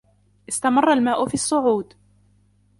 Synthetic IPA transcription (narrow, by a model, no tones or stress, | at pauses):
ʔɪst̪amɑrˤːɑlmaːʔʊfiːɑsˤːʊʕuːd̪